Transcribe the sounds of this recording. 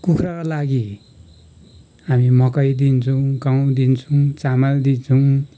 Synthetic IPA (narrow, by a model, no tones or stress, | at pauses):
kukʰɾakalaɡi | ɦamimʌkʌjd̪int͡sʰʌw̃ɡaw̃d̪int͡sʰuw̃t͡samald̪int͡sʰʌw̃